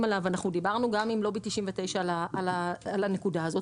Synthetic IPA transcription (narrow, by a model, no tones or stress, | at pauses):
malavanaχnud̪ibaʁnuɡamimlo̞betiʃimvet̪e̞jʃalaʔalaalane̞kudaːzo̞t